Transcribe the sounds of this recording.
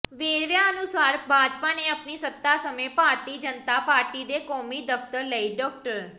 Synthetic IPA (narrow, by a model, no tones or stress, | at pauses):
ʋeːɽʋjaːənʊsaːɾbʱaːd͡ʒpaːneːəpniːsət̪ːaːsəmẽːpaːɾt̪iːd͡ʒənt̪aːpaːɾt̪iːd̪eːkɔːmiːd̪əft̪əɾləiːɖɔːk̚ʈəɾ